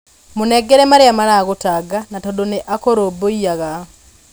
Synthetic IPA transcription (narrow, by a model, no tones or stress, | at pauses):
monɛɡɛɾɛmaɾeamaɾaɣotaɡanatɔdoneʔakoɾoboiaɣa